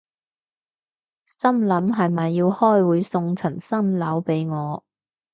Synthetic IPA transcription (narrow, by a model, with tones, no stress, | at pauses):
sɐ˥mlɐ˨˥mɦɐ˨jmɐ˨jːiː˧whɔː˥˩jwuː˨˥jsʊ˧ŋt͡sʰɐ˨˩ŋsɐ˥mlɐ˨˥wpe˨˥jŋɔː˨˧